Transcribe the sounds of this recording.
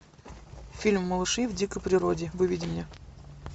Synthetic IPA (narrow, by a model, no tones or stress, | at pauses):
fʲilʲmːəlˠɨʂɨvdʲikəjpɾʲɪɾodʲɪvɨvʲidʲɪmnʲe